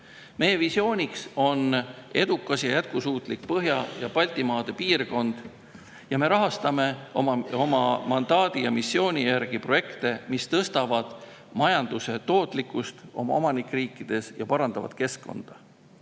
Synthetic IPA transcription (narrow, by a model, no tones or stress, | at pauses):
me̞je̞visjo̞ːnʲikso̞ne̞d̪ukˑːɑsjɑjæt̪̚kusuːt̪ˑlikpɤɦjɑjɑpɑlʲt̪ˑimɑːd̪̥e̞piːrko̞nd̪̥ | jɑme̞ɾɑɦɑst̪ɑme̞omɑo̞mɑmɑnd̪̥ɑːd̪̥ijɑmisːjo̞ːnʲijærɡ̥ipro̞je̞kt̪e̞mist̪ɤst̪ɑvɑd̪̥ | mɑjɑnd̪̥use̞t̪o̞ːt̪ˑlikːˑust̪o̞̰mɑ̰o̞mɑnikːriːkːˑid̪̥e̞sjɑpɑɾɑnd̪ɑ̰vɑ̰d̪̥ke̞skkːo̞̰nd̪̥ɑ